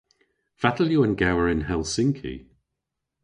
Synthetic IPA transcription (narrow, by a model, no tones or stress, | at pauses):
v̥atəljuənɡawəɹɪnhɛlˠsɪŋkʰḭ